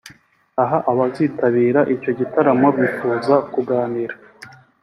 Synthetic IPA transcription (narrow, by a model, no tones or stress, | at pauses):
aɦaʔaβazitaβiːɾaʔico̞ɟitaɾamoβifuːzakuɡaːniɾa